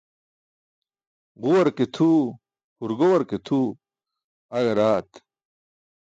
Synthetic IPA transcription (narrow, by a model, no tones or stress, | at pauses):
ʁuwɐɾket̪ʰu | huɾɡowɐɾket̪ʰu | ɐɡeɾaːt̪